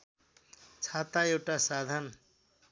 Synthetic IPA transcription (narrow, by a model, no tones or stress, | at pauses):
t͡sʰat̪aewʈasad̪ʱan